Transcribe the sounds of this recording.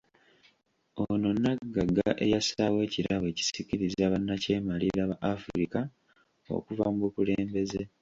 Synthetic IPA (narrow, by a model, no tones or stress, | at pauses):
ono̞nːaɡaɡaʔe̞̰jasawe̞ːciɾaβe̞ːci̥siciɾizaːβanːace̞ːmaliɾaβaʔafuɾika | o̞̰kuvamuβukule̞ːmbe̞z̞e